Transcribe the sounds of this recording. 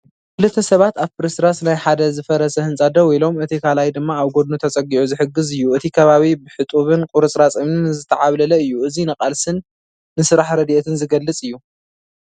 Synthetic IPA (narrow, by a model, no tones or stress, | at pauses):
kʰɨlɨt̪ʰːɐsɐβat̪aβpɨɾisɾasnajħad̪ɐzɨfɐɾɐsɐhɨnt͡sʼɐd̪ɐwjlo̞mɨt̪ʰikʰalajd̪ɨmːaːβɡo̞d̪nut̪ʰɐt͡sʼɐɡiʕuzɨħɨɡːɨzɨjːuɨt̪ʰikʰɐβaβibɨħɨt̪ʼuβɨnkʼʊɾɨt͡sʼɾat͡sʼɨmnɨnzɨt̪ʰɐʕaβlɐlɐɨjːuɨzinɐqʼalsɨnː | ɨsɨɾaħɾɐd̪iʔet̪ʰɨnzɨɡɐlːɨt͡sʼɨjːu